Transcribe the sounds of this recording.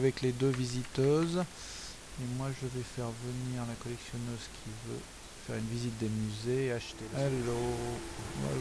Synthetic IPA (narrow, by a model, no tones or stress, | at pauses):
vɛkled̪øvizit̪øz | emwaʒəvɛfɛʁvəniʁlakɔlɛksjɔnøzkʲʰivø̰ | fɛʁynvizit̪̚d̪emyzeaʃt̪eɛlo | ɛ̰